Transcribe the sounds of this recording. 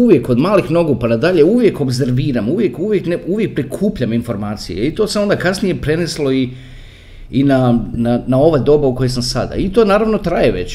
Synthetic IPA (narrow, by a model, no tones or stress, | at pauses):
uʋje̞ko̞d̪maːlixno̞ɡupanad̪aʎe̞uʋje̞ko̞bze̞ɾʋiːɾamuʋje̞kuʋje̞kneuʋjek̚pɾikʰuːpʎaminfo̞ɾmaːt̪sijḛit̪o̞samo̞nd̪akasnije̞pɾe̞neslˠo̞i | inananao̞ʋad̪o̞ːbauko̞jesamsa̰d̪a̰it̪o̞ːnaːɾaʋno̞t̪ɾajeʋe̞̰t͡ɕ